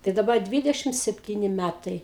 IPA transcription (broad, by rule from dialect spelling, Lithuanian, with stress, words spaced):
tɐɪ dɐˈbɐ ˈdʲʋʲɪdʲɛʃʲɪm sʲɛpʲˈtʲiːnʲɪ ˈmʲætɐɪ